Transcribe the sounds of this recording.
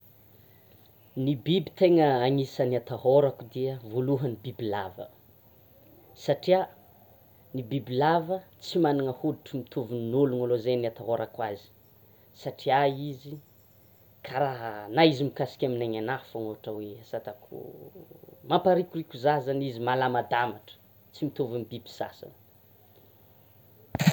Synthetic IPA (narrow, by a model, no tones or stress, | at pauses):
nibibi̥t̪eŋəaŋisəniat̪aɦoɾakud̪iəvoluɦənibibila̰və̰ | saʈ͡ʂia | nibibilavət͡simanaŋəhuluʈ͡ʂimit̪uvininuluŋalozeniat̪aɦoɾakwazi̥ | saʈ͡ʂiaizi | kʰaɾaɦnaizimikasi̥kʲaminaɲanafaŋoaʈ͡ʂaweasat̪akʰṵ | mampaɾikʲurikʲuzazanizimalamad̪amaʈ͡ʂə̥ | t͡simit̪ovanibibi̥sa̰sa̰n